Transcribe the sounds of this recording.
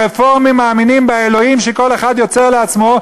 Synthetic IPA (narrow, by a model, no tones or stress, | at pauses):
efoʁmimaːminimbaelo̞imʃeko̞le̞χad̪jo̞t͡se̞ʁleat͡smo̞